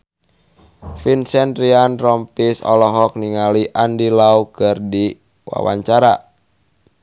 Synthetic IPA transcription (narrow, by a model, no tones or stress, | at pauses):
finsɛnrianrɔmpisɔ̰lɔɦɔk̚niŋaliʔandilaukɨrdi | wa̰wa̰ɲt͡ʃaɾa